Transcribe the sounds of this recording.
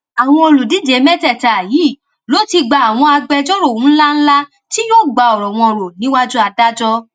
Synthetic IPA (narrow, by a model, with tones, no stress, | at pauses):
a˨w̃ɔ̃˧o˧˨lu˨di˨˦d͡ʒe˨˦mɛ˦tɛ˦˨ta˨ji˨˦˨ | lo˨˦ti˧ɡ͡ba˧˨a˨w̃ɔ̃˧a˧ɡ͡bɛ˧d͡ʒɔ˦ɾo˦˨wũ˨˦n̩˦la˦n̩˦la˦ | ti˦jo˦˨ɡ͡ba˨˧ɔ˨ɾɔ˨w̃ɔ̃˧˨ɾo˨nĩ˨˦wa˦d͡ʒu˦a˧da˦d͡ʒɔ˦